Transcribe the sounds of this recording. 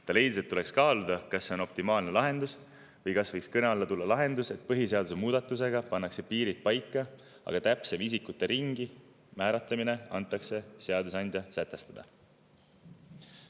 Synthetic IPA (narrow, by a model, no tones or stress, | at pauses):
t̪ɑle̞jd̪iset̪ːule̞kskɑːlud̪ɑkɑsːeo̞no̞p̚t̪imɑːlnelɑɦe̞nd̪us | vɤjkɑsvɤjkskɤneɑɑlːɑt̪ulːɑlɑɦe̞nd̪use̞t̪̚ˑpɤɦise̞ɑd̪usemuːd̪ɑt̪ːˑuse̞ɡ̥ɑpɑnːɑkse̞piːɾit̪̚pɑjkːˑɑ | ɑ̰ɡ̥ɑt̪æpsemisikut̪ːˑe̞ɾiŋɡ̥i | mæːɾɑt̪lɑmine̞ɑnt̪ˑːɑkse̞seɑd̪usɑnʲd̪̥ʲjɑsæt̪ːˑe̞st̪ɑd̪̥ɑ